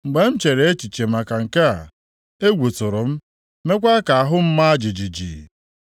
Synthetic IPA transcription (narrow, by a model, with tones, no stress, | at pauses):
ŋ͡m̩˨ɡ͡be˦m̩˦t͡ʃe˨ɾe˨e˦t͡ʃi˨t͡ʃe˨ma˨ka˨ŋ̩˨ka˦a̰˨ | e˦ɡʷu˨tʊ˨ɾʊ˨m̩˦ | me˦kʷa˦ka˨a˨ɦʊ˦m̩˦ma˦a˦d͡ʒi˨d͡ʒi˨d͡ʒḭ˨